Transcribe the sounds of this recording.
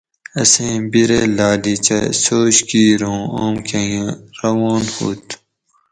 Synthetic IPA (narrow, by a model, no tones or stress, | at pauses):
ɐsẽːbiɾelaːdit͡ɕɐ̰soːɕkiːɾõoːmkɐ̃jãːɾɐwoːnhṵːt̪ʰ